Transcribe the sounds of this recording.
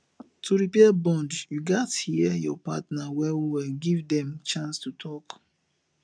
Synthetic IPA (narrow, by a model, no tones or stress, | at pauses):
tʰuɹipɛabɔ̃ndjuɡathiɛjɔpa̰tnawɛwiwɛɡivdɛ̃mt͡ʃãnstutʰɔk